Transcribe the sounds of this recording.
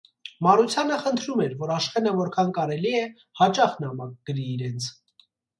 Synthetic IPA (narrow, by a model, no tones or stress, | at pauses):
mɑɾut͡sʰjɑnəχənt̪ʰɾumɛɾvɔɾɑʃχɛnəvɔɾkʰɑnkɑɾɛliɛ | hɑt͡ʃɑχnɑmɑk̚ɡ̥əɾiːɾɛnt͡sʰ